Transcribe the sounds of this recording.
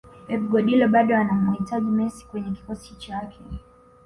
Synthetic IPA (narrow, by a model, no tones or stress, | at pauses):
ɛviɡɔɗilɔɓaɗɔanamwhitaʄimɛsi̥kwɛɲɛki̥kɔsi̥ht͡ʃakʰɛ